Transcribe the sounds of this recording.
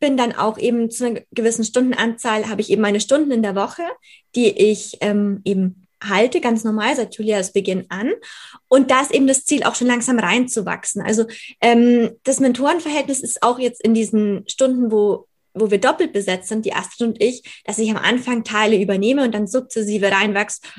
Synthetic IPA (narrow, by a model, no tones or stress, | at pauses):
b̥ɪndanʔa̰ʊxʔeːbm̩t͡suːnɐɡ̥əvɪsn̩ʃtʊnd̥n̩ʔant͡saːlhaːbəɪçʔeːbm̩maɪnəʃtʊndn̩ɪndeːɐvɔχəd̥iːʔɪçʔɛːmʔeːbm̩ | haltəɡant͡snɔɐmaːlzaɪtjuːlialsb̥əɡɪnʔanʔʊnt̚d̥aːɪstʔeːbm̩dast͡siːlʔa̰ʊxʃoːnlaŋz̥aːmʁaɪnt͡suva̰ksn̩ʔa̰lzoʔɛːmd̥asmɛntʰoːʁənfɛɐɦɛltnɪsɪstaʊxjɛt͡stɪndiːzn̩ʃtʊndn̩voː | voːviːɐdɔpl̩t̚b̥əzɛt͡stz̥ɪntd̥iːʔa̰stʁənʊntɪçd̥asɪçamʔa̰nfaŋtʰaɪləyːbɐneːməʊnt̚d̥anzʊp̚t͡sɛs̬iːvəʁaɪnvaksə̥